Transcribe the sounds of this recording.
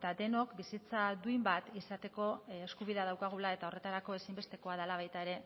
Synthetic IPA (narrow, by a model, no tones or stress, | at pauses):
et̪ad̪e̞no̞kbisit͡sad̪uimbat̪isat̪e̞ko̞eskuβiðað̞awkaɣ̞ulae̞t̪aore̞t̪aɾako̞e̞simbe̞st̪e̞ko̞aðalaβ̞ajt̪aeɾe̞